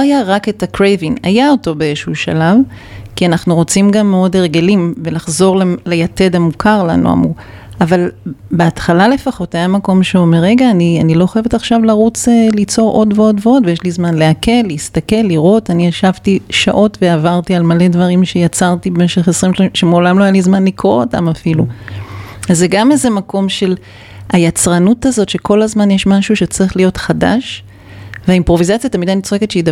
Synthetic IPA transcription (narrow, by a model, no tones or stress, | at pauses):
ajaʁake̞takʁejvina̰jao̞to̞beeʃuʃa̰lav | kianaχnuʁo̞t͡simɡamːeo̞deʁɡe̞limve̞laχzo̞ʁlelejate̞damukʰaʁla̰nṵa̰mṵʁ | avalbeatχalale̞faχo̞tajamako̞mʃeome̞ʁːe̞ɡaːnianilo̞χajeve̞taχʃavlaʁut͡selit͡so̞ʁʔo̞dveo̞dveo̞dvejeʃlizmanleake̞lːiːst̪ake̞lːiʁo̞taniaʃavtiʃa̰ʔo̞tveavaʁtialmale̞dvaʁimʃe̞jat͡saʁtibemeʃeχesʁimʃʃemeolamloajalizmanlikʁo̰ota̰mafilu | azːeɡamezemako̞mʃe̞l | ajat͡sʁanutazo̞tʃeko̞lazmanjeʃmaʃuʃe̞t͡sʁiχlijo̞tχada̰ʃ | veaimpʁo̞vizat͡sjat̪amidanit͡soxeketʃeid